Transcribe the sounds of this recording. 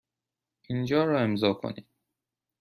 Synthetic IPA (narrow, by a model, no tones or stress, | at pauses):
ʔind͡ʒɒːɾɒːe̞mzɒːkʰo̰niːd̪̥̚